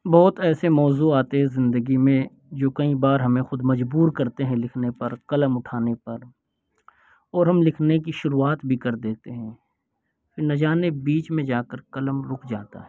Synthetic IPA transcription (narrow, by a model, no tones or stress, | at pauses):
bɔːt̪ɛːsemɔːzuaːt̪eɦɛ̃zɪ̃nd̪əɡimẽ | d͡ʒoːkɐĩbaːɾɦɐmẽxʊd̪mɐd͡ʒbuːɾkɐɾt̪eɦɛ̃lɪkʰnepɐɾkɐləmʊʈʰaːnepɐɾ | ɔːɾɦɐmlɪkʰnek̬iʃʊɾuaːt̪bʱikɐɾd̪eːt̪eɦɛ̃ | fɪnɐd͡ʒaːnebiːt͡ʃmẽd͡ʒaːkəɾkɐləmɾʊkʰd͡ʒa̰ːt̪a̰ɦɛː